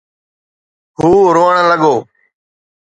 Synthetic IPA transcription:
ɦuːɾoːəɳləɠoː

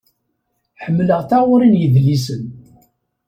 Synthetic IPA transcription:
ħəmːləʁθaʊɾinjəðlːis̬ən

